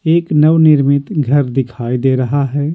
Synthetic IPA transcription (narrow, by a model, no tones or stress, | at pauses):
eːknɐʋnɪɾmɪt̪ɡʱɐɾd̪ɪkʰaːid̪eːɾɐɦaɦɛː